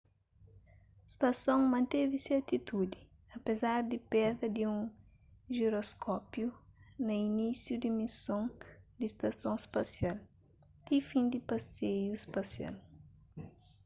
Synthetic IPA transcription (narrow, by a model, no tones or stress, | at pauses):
st̪ɐsõŋmɐ̃nt̪eviseɾt̪it̪ud̪i | ɐpezaɾd̪ipɛɾd̪ɐd̪iũŋ | ʒeɾoskʰɔpjunɐinisjud̪imisõŋd̪ist̪ɐsõŋspasjal | t̪ifĩnd̪ipasejuspasja̰l